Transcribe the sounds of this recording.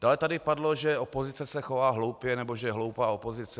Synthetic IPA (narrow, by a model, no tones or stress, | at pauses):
d̥aːlɛt̪adɪpadloʒɛopo̞zɪt͡sɛsɛxovaːɦlo̞wpjɛnɛboʒɛjɛɦlo̞wpaːopo̞zɪt͡sɛ